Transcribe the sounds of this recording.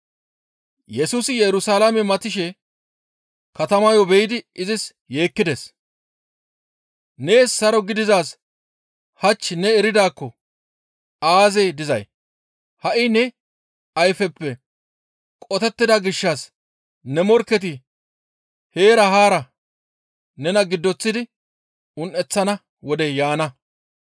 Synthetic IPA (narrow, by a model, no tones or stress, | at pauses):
jɛsuːsɪjɛɾʊsaːlamɛmɐt̪ɪʃɛ | kɐt̪ɐmɐjɔbɛjɪd̪ɪɪzɪs | je̞ːkːɪd̪es | ne̞ːsːɐɾɔɡɪd̪ɪzaːs | hɐt͡ʃːɪnɛɛɾɪd̪aːkːɔ | ʔaːze̞ːd̪ɪzɐ̰j | hɐʔɪnɛ | ɐjfɛpːɛ | kʼɔt̪ɛt̪ːɪd̪ɐɡɪʃːaːs | nɛmɔɾkːɛt̪̬ɪ | he̞ːɾɐhaːɾɐ | nɛnɐɡɪd̪ːɔt͡sːɪd̪ɪ | ʊnʔɛt͡sːɐnɐ | wɔd̪ɛjaːnɐ